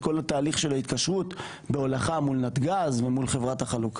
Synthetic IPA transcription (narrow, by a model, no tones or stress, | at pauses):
ko̞lat̪aːliχʃe̞lait̪kaʃʁut | beolaχamulnat̪ɡazvemulχe̞vʁataχaluk